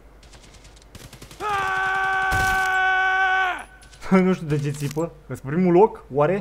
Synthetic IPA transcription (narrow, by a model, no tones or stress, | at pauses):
nuʃt̪iud̪et͡ʃe̞t̪sipəkəspɾimulo̞kwaɾe̞